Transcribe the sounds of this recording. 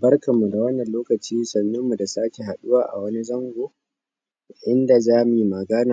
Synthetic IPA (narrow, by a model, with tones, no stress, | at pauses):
bɐ˦rkɐ˨mːu˨da˨wɐ˦nːɐ˨nloː˦kɐ˨t͡ʃiː˦sɐ˨nːʊ˦mːu˨da˨saː˦kʲe˨ɦa˨ɗʊ˦waː˨ʔa̰˨wɐ˦ni˦zɐ˦ŋɡʷoː˨ | ʔɪ˦nda˨zaː˦mi˨mɐ˨ɡa˦naː˨